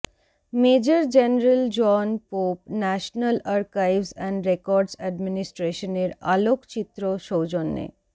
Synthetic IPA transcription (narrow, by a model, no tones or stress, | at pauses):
med͡ʑaɾd͡ʑeneɾəld͡ʑɔnpopnɛʃnalaɾkajvsɛɳɖɾekɔɾɖsɛɖminisʈɾeʃoneɾalokt͡ɕit̪ːɾoʃowd͡ʑonːḛ